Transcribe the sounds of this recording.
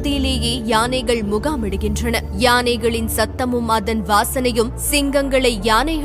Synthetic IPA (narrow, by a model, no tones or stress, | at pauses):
ðijleːjeːjaːnɐɪɣɐɭmʊɣaːmɪɽɯɣɪndrɐnɐ | jaːnɐɪɣɐɭɪnsɐt̪ːɐmɯmɐðɐnʋaːsɐnɐjɯmsɪŋɡɐŋɡɐɭɐɪjaːnɐɪɣ